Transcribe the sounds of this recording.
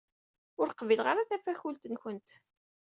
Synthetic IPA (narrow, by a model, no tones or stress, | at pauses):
ʊɾqvilʁaɾaθæfæçult̪ənçənt̪